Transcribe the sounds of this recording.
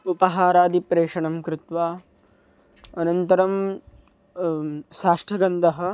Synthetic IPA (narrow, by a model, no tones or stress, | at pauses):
upɐɦaːɾaːd̪ipɾeːʂɐɳɐmkɾɪt̪ʋaː | ɐnɐnt̪ɐɾɐm | ʃaːʂʈʰɐɡɐnd̪ɐɦɐ̆